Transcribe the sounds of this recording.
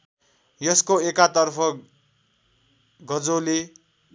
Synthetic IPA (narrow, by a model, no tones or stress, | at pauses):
jʌskoekat̪ʌrpʰʌ | ɡʌd͡zole